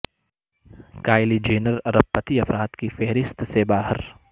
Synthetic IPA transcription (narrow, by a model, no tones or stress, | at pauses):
kaːɪlid͡ʒeːnəɾɐɾəb̚pːɐt̪iɐfɾaːt̪kifeɦɾɪst̪sebaːɦəɾ